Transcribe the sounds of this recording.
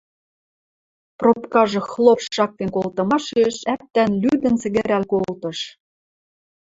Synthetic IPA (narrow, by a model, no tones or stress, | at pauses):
propkɑʒɤ̆xlˠopʃːɑk̚t̪enkolt̪ɤ̆mɑʃeʃæp̚t̪ænlyd̪ə̆nt͡sɘ̆ɣɘ̆ɾælkolt̪ɤ̆ʃ